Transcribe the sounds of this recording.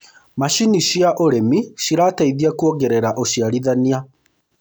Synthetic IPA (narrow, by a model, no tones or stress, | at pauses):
maʃiniʃiaʔoɾemiʃiɾaːtaiðiakuɔɣɛɾɛɾaʔoʃiaɾiðania